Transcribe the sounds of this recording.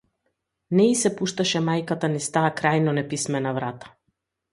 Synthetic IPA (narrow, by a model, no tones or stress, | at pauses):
nɛisɛpuʃt̪aʃɛmajkat̪anist̪aːkɾajnɔnɛpismɛnavɾat̪ḁ